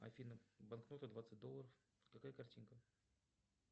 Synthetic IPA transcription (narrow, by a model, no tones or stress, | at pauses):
ɐ̰fʲinəbɐnknot̪əd̪vat̪səɨt̚ʲd̪olːˠəɾəf | kɐkajəkɐrtʲinkə